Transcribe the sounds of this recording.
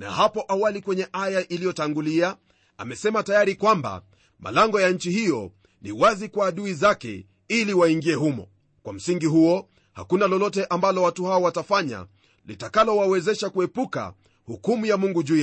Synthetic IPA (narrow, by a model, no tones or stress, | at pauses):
na̰hapɔʔawalikwɛɲɛʔajaʔilijɔtaŋɡulia | a̰mɛsɛmatajaɾikwamba̰ | ma̰laŋɡɔjaɲ̩t͡ʃihijɔ | niwazikwaːɗuizakɛ̰ | iliwaiŋɡiɛhumɔ̰ | kwam̩siŋɡiɦuɔ | ha̰kunalɔlɔtɛʔambalɔwatuhaɔwatafaɲa̰ | litakalɔwawɛzɛʃakuɛpuka̰ | hukumujamuŋɡuʄu